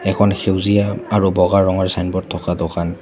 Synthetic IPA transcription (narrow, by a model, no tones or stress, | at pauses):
ɛkʰɔnxʰewzijaːɹubɔɣaɹɔŋɔɹsajnbɔɹtʰːɔkadɔkan